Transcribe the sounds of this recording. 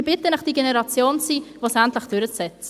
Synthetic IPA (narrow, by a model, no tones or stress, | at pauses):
b̥ɪt̪ənəχd̥iɡenɛɾɑt͡sjoːnt͡siːʋosæntləχd̥ʏɾət͡sɛt͡sə